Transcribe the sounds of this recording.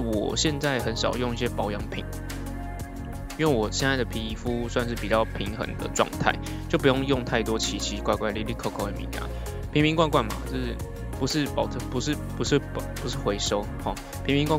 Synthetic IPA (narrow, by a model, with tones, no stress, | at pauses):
wɔ̰˨˩ɕjɛ˥˧nt͡sa˥˩ɪxə˨˦nʂɑ˨˩ʊjo˥˧ŋi˥˩ɕ̬jɛ˥pɑ˨˥ʊjɑ˧˥˦ŋpʰḭ˨˩˦ŋ | i˥nwe˥˩ɪwɔ˨˩ɕjɛ˥˧nt͡sa˥˩ɪə˩pʰi˧˥i˨˩fu˥swa˥˧nʂ̬ɻ̩˥˩pi˨˩t͡ɕɑ˥˩ʊpʰi˧˥ŋxə̰˧˥ŋd̪ə̰˨ʈ͡ʂwɑ̰˥˧ŋt̪ʰa̰˥˩ɪ | t͡ɕjo˥˩ʊp̬u˧˦jo˥˧ŋjʊ˥˧ŋt̪ʰa˥˩ɪt̪wɔ˥t͡ɕʰi˧˥t͡ɕʰi˧˥kwa˥˧ɪkwa˥˧ɪli˥˧li˥˩kʰo˥˧ʊkʰo˥˩ʊe˨˩mḭ˨˧˦ŋka̰˨˩˦n | pʰi˧ŋpi˧˥ŋkwa˥˧ɪkwa˥˩nma̰˨˩o˥˩ | pu˧˥ʂɻ̩˥˩pɑ˨ʊtʰpu˧˥ʂɻ̩˥˩˨pu˧˥ʂɻ̩˥˩ppu˧˥ʂɻ̩˥˩xwe˧˥ɪʂo˥ʊhɔ˨˩ | pʰi˧˥ŋmpi˧˥ŋkwa˥˧